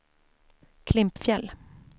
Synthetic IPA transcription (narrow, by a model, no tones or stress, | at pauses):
kʰlɪmpfjɛlː